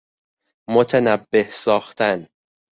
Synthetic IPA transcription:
mot̪ʰænæbːe̞hsɒːxt̪ʰæn

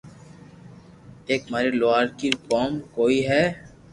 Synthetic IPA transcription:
eːkmaːɾeloaːɾkikoːmkoːiɦɛː

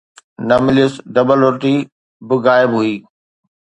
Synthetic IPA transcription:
nɐmɪlijʊsɖɐbəlʊɾʈi | bɪɣaːɪbɦuiː

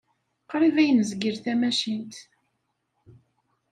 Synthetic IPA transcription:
qɾivæjənəzɡəɾθæmæʃint̪

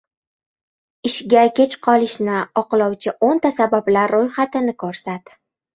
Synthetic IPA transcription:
ɪʃɡʲakʲʰet͡ʃqʰɒlˠɪʃnɪɒqlˠɒwt͡ʃʰɪʔont̪asabablaɾːojχat̪ɪnɪkʰoɾsat̪

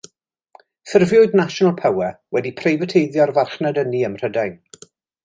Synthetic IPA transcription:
θɪrvjʊɨdnaʃɔnalˠpʰawɛwɛdipʰrejvətʰejðjɔrvarχnədəniəmr̥ədajn

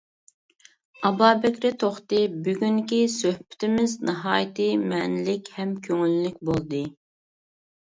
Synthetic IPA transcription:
ɑbɑːbɛkʲɾɪt̪ʰoχt̪ɨbyɡʲyŋkʲisøhpɪ̥t̪ʰɪmɪznɨɦɑːjt̪ɨmɛnɪlɪkʲhɛmkʲʰøŋylːyk̚ʲbolˠd̪ɨ

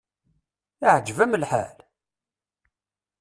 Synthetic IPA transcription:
iʕd͡ʒvæməlħa̰l

